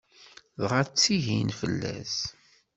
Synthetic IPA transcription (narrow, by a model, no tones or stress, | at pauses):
ðʁæt͡sːiʝinfəlːæ̰s